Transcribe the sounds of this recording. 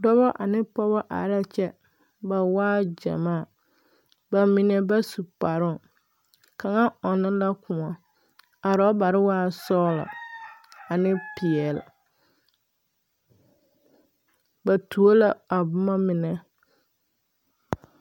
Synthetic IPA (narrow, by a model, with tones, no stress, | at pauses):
dɔ˦βɔ˦ʔa˨nɪ˦pɔ˦bɔ˦ʔa̰˨˦ɾa˦t͡ʃɛ˦ | ba˨waː˦d͡ʒa̰˨maː˦˨ | ba˨mɪ˨nɛ˦ba˦su˨pa˨ɾʊ˦˨ | ka˨ŋa˦ɔ˨nɪ̃˦la˦kʊ˨ŋɔ˨ | a˨ɾɔ˦ba˨ɾɪ˦waː˦sɔː˦lɔ̰˨ | a˨nɪ˦pɪ˨ɛ˨l | ba˨tʰu˨o˦la˦a˨bʊ˦ma˦mɪ˨nɛ˨